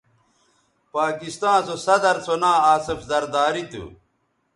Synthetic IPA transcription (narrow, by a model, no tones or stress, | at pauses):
paːkist̪ãːsosɐd̪ɐɾt͡sʰonaːaːsefzɐɾd̪aːɾit̪ṵ